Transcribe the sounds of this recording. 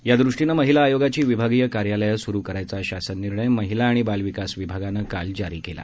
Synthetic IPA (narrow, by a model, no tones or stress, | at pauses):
jad̪ɾuʂʈinəməɦilaːjoɡat͡ɕiːʋibʱaɡijəkaɾjaləjasuɾuːkəɾajt͡saɕasənːiɾɳəjməɦilaːɽ̃ibalʋikasʋibʱaɡanəkald͡ʑaɾiːkela̰